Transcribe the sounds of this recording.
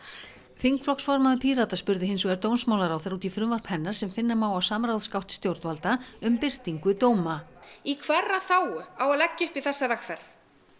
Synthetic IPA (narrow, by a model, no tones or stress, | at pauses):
θiŋkflɔksfɔɾmaðʏpʰiːɾat̪aspʏɾðɪɦɪnsvɛːɾt̪oːwnsmawlaɾawθɛɾuːt̪ifɾʏmvar̥phɛnːaɾ̥sɛmfɪnːamaːwawsaːmɾawðskawht̪st̪jowɾt̪valt̪aʏmpɪr̥t̪iŋkʏt̪oːwmaikʰvɛrːaθaːwʏawalɛcːʏhpiθɛsːavɛxfɛɾθ